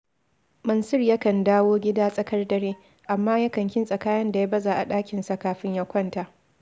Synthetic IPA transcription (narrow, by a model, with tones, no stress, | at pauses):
mɐ˨nsʊ˦rja˦kɐ˨ndaː˦woː˦ɡʲɪ˦daː˦sʼɐ˦kɐ˦rdɐ˨ɾeː˦ | ʔa˨mːaː˦ja˦kɐ˨ŋkʲɪ˦nsʼɐ˨kaː˦jɐ˦nda˨ja˦bɐ˦za˨ʔa˨ɗaː˦kʲɪ˨nsa˨kaː˨ɸɪ˦ɲja˦kʷɐ˦nta˨ʔ